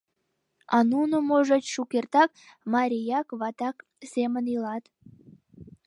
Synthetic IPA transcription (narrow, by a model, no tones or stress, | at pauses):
ɑnunomoʒət͡ɕʃukert̪ɑk̚ | mɑɾʲijɑkβɑt̪ɑk | semənilɑt̪